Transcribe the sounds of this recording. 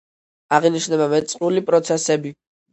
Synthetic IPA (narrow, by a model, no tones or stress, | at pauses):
aʁiniʃnɛbamɛt̪sʼqʼɾulipʼɾɔt̪sʰɛsɛbi